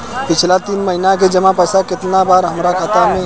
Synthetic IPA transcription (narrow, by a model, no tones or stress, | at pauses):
pɪt͡ʃʰlat̪iːnməɦinaked͡ʒəmãpəsakɪt̪nabaːɾɦəmɾakʰaːt̪amẽ